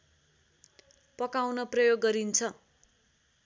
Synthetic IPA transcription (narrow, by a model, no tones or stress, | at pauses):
pʌkawnʌprʌjoɡːʌɾint͡sʰʌ